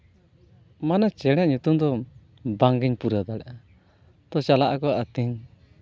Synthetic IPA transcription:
manat͡ʃɛɽ̃ɛʔ̚ɲut̪umd̪ɔ | baŋɡiɲpuɾad̪aɽaʔa | t̪ɔt͡ʃalaʔakɔʔat̪iŋ

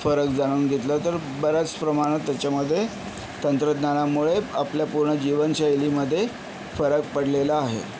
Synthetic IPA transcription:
fəɾəkd͡zaɽ̃uːnɡʱet̪lət̪əɾ | bəɾət͡spɾəmaɽ̃ət̪ːjat͡ɕaməd̪ʱːje | t̪ənt̪ɾəd̪nanamuɭeapljapuɾɳəd͡ʑiʋənt͡ɕaeliməd̪ʱːje | fəɾək̚pəɽlelaːɦḛ

